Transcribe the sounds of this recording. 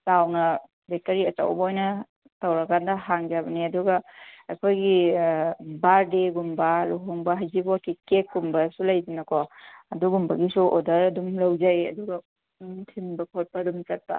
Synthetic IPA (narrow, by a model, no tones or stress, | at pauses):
sawnɐ | bek̚tɐɾiɐta̰wbɐojnɐ | tɐwɾɐkʰandɐɦaŋd͡ʒabɐniɐduɡɐḛkʰojɡi | baɾdeɡumbɐluɦɔŋbɐɦajzibɔkʰikek̚ːumbɐsulajdinɐkɔɐduɡumbɐɡisuodɐɾɐdumlɐwd͡ʒajɐ̰duɡɐ | tʰimbɐkʰɔt̚padumt͡ʃɐt̚pa̰